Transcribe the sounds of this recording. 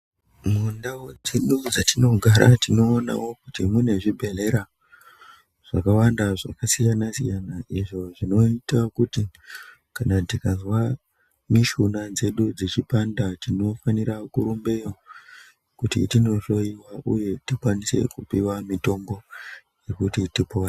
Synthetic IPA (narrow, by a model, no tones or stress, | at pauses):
mundawod͡ziɗud͡zatino̞ɡʱaɾa̰tino̞ːna̰wo̞kutimwune̞ʐibʱe̞le̞ɾa | ʐ̥akawandaʐakasijanasijanaʔiʐo̞ʐino̞itakuti | kanatikazwa | miʃunad͡ze̞ɗud͡zit͡ʃipandatino̞faniɾakuɾumbe̞jo | kutḭtino̞to̞iwaʔuje̞tikwanise̞̰kupiwamito̞mbo̞ | je̞kutitipowa